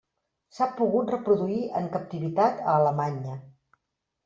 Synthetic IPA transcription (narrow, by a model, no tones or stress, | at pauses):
sapuɣut̪rəpɾuðuiʔəŋkəp̚t̪iβit̪at̪əːləmaɲə